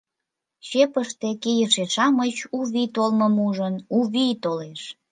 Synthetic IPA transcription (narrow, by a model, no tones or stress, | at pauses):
ɕepəʃt̪ekejəʃeʃɑmət͡ɕuβit̪olməmuʒənuβit̪oleʃ